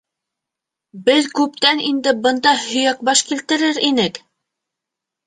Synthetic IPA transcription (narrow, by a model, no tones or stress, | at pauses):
bɘðkʉp̚t̪ænind̪ɘbɤ̆nd̪ɑhɵ̆jæk̚bɑʃkilt̪ɘ̆ɾɘɾinɘk